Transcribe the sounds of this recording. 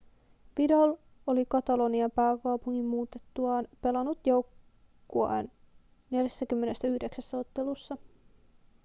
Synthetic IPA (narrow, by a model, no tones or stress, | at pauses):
ʋidɑl | olikɑt̪ɑlo̞niɑpæːkɑwpuŋːimmuːt̪et̪ːuɑːnpe̞lɑnut̪jo̞wkː | oɑ̰n | ne̞ljæsːæk̟ymːe̞ne̞st̪æyhde̞ksæsːæot̪ːe̞lusːɑ